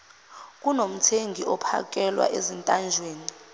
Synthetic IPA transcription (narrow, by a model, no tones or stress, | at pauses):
k̬ʼunom̩tʰeŋɡʱiɔpʰa̰k̬ʼɛlwa̰ʔezintʼand͡ʒʱweːni